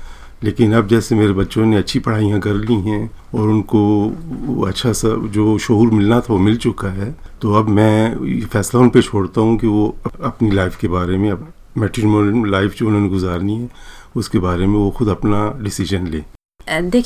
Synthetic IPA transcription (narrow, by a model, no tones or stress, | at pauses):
leːkɪnɐb̚d͡ʒɛːsemeːɾebɐtːʃõneɐtːʃʰipɐɽ̤aːijãkɐɾliɦɛ̃ɔːɾʊnko | ɐ̰tːʃʰasad͡ʒoːʃʊɦuːɾmɪlnat̪ʰaʋomɪlt͡ʃʊkaɦɛːt̪oɐbmɛ̃ːefɛːslaʊnpet͡ʃʰoːɽt̪aɦũkiʋoɐɐpnilaːɪfkebaːɾemẽɐ | mɛːʈɪɾmoɾmlaːɪfd͡ʒoʊnɦõneɡʊzaːɾniɦɛʊskebaːɾemẽʋoxʊd̪ɐpnaɖɪsɪʒənlẽː | d̪eːkʰ